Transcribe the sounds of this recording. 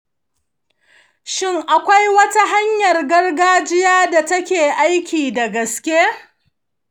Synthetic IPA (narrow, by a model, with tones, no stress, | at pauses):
ʃɪ˦ŋʔa˨kʷa˦jwɐ˦ta˦ɦa˦ɲjɐ˨rɡɐ˦rɡaː˦d͡ʒɪ˦jaː˦da˨tɐ˦kʲeː˨ʔa˦jkʲiː˨da˨ɡɐ˨skʲe˦